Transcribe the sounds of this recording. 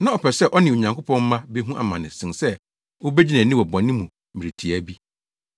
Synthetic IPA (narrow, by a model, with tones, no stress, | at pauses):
nã˦ɔ˨pʰɛ˨sɛ˦˨ʔɔ˦nɪ̃˨o˨ɲã˨ŋkʰo˦pɔ̃˦m˦mã˦be˦ɦũ˦ʔa̰˨mã˨nɪ̃˨sɪ̃˨nsɛ˦ | wo˦be˦d͡ʑi˦næ̃˨nɪ̃˦wɔ˨bɔ̃˨nːɪ̃˦mũ˨ | mɪ̃˨ɾi˨tʰi˨æ˦bi˦